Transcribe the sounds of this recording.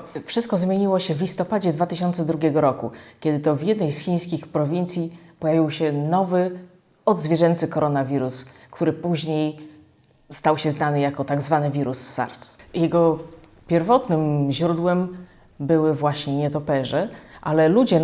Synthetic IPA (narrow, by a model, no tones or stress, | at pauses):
fʂɘst̪̚kɔzmʲjeɲiwɔɕɛvlʲist̪ɔpad͡ʑɛd̪vat̪ɘɕɔnt̪sɛd̪ɾuɡʲjɛɡɔɾɔkukʲɛd̪ɘt̪ɔvʲjɛd̪nɛjsxʲĩj̃skʲixpɾɔvʲint̪sʲjipɔjavʲiwɕɛnɔvɘ | ɔd̪zvʲjɛʐɛnt̪sɘkɔɾɔnavʲiɾuskt̪uɾɘpuʑɲej | st̪awɕɛznanɘjakɔt̪aɡzvanɘvʲiɾusːa̰ɾt̪sjɛɡɔ | pʲjɛɾvɔt̪nɘmʑɾud̪wɛm | bɘwɘvwaɕɲɛɲɛt̪ɔpɛʐɛʔalɛlud͡ʑɛ